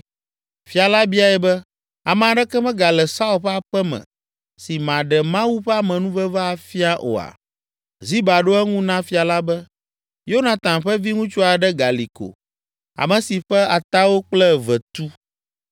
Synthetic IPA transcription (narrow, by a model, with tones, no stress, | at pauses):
fi˨a˨la˦bi˦a˨ɛ˨bɛ˦ | a˨mɛ̃˨a˨ɖɛ˦kɛ˦mɛ̃˦ɡa˨lɛ˨sa˦u˦lɸa˨ɸɛ˦mɛ̰̃˨ | si˨mã˨ɖɛ˨mã˦wu˦ɸɛ˦a˦mɛ̃˨nũ˦vɛ˦va˦a˨fi˦a˦ʔo̰˨a̰˨ | zi˦ba˨ɖo˦ɛ˦ŋũ˦nã˦fi˨a˨la˦bɛ˦ | jo˦nã˨t̪ã˨ɸɛ˦vi˦ŋũ˦t͡ʃo˦a˨ɖɛ˦ɡa˨li˨ko̰˨ | a̰˨mɛ̃˨si˨ɸɛ˦a˨t̪a˦wo˦k͡plɛ˦vɛ˨t̪u˦